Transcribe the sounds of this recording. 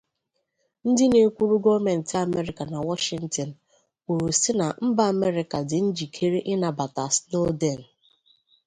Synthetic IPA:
n̩˦dɪ˦ne˨kʷu˦ɾu˦ɡɔ˦me˨n̩˨ti˦a˨me˦ɾɪ˨ka˨na˨wɔ˦ʃɪ˨ŋ̩˨tɔ˨n̩˨ | u˨ɾu˨sɪ˦na˨m̩˦ba˦a˨me˦ɾɪ˨ka˨dɪ˨n̩˦d͡ʒi˨kʰe˦ɾe˦ʔɪ˦na˨ba˨ta˨sno˦de˦˨n̩˨

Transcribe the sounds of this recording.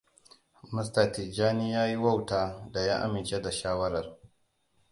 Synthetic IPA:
mʊ˦s̬ta˨ti˨d͡ʒaː˦niː˦jaː˦ji˦wɐ˦wtaː˦da˨jaː˦ʔa̰˦mɪ˨nt͡ʃe˦da˨ʃaː˦wɐ˦ɾɐ˨r

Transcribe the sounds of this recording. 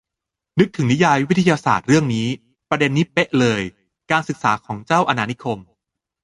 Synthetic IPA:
nɯ˦˥k̚t̪ʰɯ˨˩˦ni˦˥jaː˧jwt̪ʰːa˧jaː˧sa̰ː˨˩t̪̚ɾɯ˥˩əŋniː˦˥ | pɾa˧de˧nːi˦˥pe˦˥ʔlɤː˧j | kaː˧nsɯ˨˩k̚sa̰ː˩˦kʰɔː˩˦ŋt͡ɕaː˥˩wʔa˧naː˧ni˦˥kʰo˧m

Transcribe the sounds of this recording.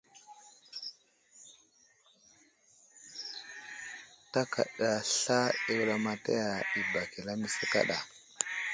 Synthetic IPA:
ta˦kʰa̰˨ɗa˨ɬa˦i˦wla˨ma˨ta̰˦ja˨i˨ba˨ki˨la˦mi˦sa˦ka̰˦ɗa˨

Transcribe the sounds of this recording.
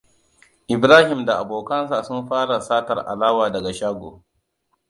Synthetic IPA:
ʔɪ˨bɾaː˦hɪ˨mda˨ʔa˨boː˨kɐ˦nsa˨sʊ˦mɸaː˦ɽa˨saː˦tɐ˨rʔa̰˨laː˦waː˨dɐ˨ɡa˨ʃaː˦ɡʷo̰ː˨

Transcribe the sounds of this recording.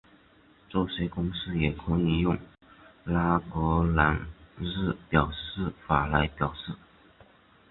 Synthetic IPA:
t͡so˥˩ʊʂwe˧˥ɪkʊ˥ŋsɹ̩˥jɛ˨˩kʰʊ˧˥ŋi˧˥jʊ˥˩ŋ | la˥kɔ˧˥la˧˥nɻ̩˥˩pjɑ˨˩ʊʂɻ̩˥˩fa˨˩la˧˥ɪpjɑ˨˩ʊʂɻ̩˥˩

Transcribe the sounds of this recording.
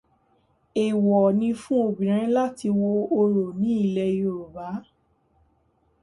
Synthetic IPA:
e˨wɔ˨nĩ˧fũ˦o˧bĩ˨ɾ̃ã˨˦la˦ti˧wo˧o˧ɾo˨nĩ˨˦i˦˨lɛ˧˦o˧˨ɾu˨ba˨˦

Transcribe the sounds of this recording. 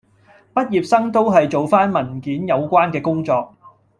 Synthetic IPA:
pɐ˥t̚jiː˨p̚sɐ˥ŋt̪o˥wɦɐ˨jt͡ʃo˨wfaː˥nmɐ˨˩nkiː˨˥njɐ˨˧wkʷaː˥nkɛː˧kʊ˥ŋt͡sɔː˧k̚

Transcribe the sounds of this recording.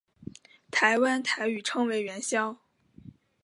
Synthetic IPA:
t̪ʰa˧˥ɪwa˥nt̪ʰa˧˥ɪy˨˩ʈ͡ʂʰɤ˥ŋwe˧˥ɪɥɛ˧˥nɕjɑ˥ʊ

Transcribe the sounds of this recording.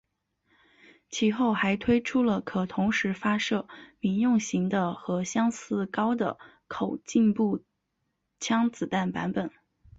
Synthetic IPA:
t͡ɕʰi˨˩xo˥˩ʊxa˧˥ɪt̪ʰwe˥ɪʈ͡ʂʰu˥lə˨kʰɤ˨˩t̪ʰʊ˧˥ŋʂɻ̩˧˥fa˥ʂɤ˥˩mi˧˩njʊ˥˩ŋɕi˧˥ŋd̪ə˧xɤ˧˥ɕjɑ˥ŋsɹ̩˥kɑ˥ʊd̪ə̰˩ | kʰo˨˩ʊt͡ɕi˥˧npu˥˩ | t͡ɕʰjɑ˥ŋt͡sɹ̩˨˩t̪a˥˩npa̰˧˥npə˨˩˦n

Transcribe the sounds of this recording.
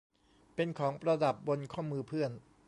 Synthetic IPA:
pe˧nkʰɔː˩˦ŋpɾa˧da˨˩p̚bo˧nkʰɔː˥˩mɯː˧pʰɯ˥˩ən

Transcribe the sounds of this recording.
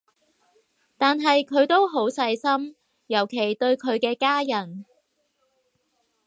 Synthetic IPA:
t̪aː˨nɦɐ˨jkʰɵ˨˧ɥt̪o˥wɦo˨˥wsɐ˧jsɐ˥m | jɐ˨˩wkʰe˨˩jt̪ɵ˧ɥkʰɵ˨˧ɥkɛː˧kaː˥jɐ˨˩n

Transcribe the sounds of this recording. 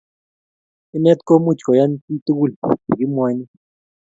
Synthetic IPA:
i˦nɛ˦t̪kʼo˦mu̥˦˨t͡ʃkɔ˨ja˦n˦ti˦tʼu˦k̬u˦li˨k̬i˦mwaː˨˦ɲi˦

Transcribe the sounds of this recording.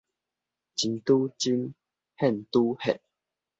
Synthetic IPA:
t͡ɕi˨nt̪u˦t͡ɕi˦n | hɛ˥˨nt̪u˦hɛ˨ʔ̚

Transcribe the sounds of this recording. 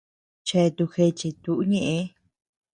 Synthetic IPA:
t͡ʃe˧t̪u˧xe˧t͡ʃi˧t̪u˨ʔu˦ɲẽ˧ʔẽ˧˦

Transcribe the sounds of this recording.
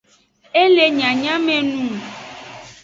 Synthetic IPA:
e˦le˨ɲã˨ɲã˦mɛ̃˨nũ˦

